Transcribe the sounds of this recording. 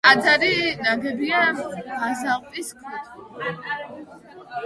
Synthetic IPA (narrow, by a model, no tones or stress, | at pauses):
ad̪aɾinaɡɛbiabazalʼp̪ʼiskʰwɛt̪ʰʼ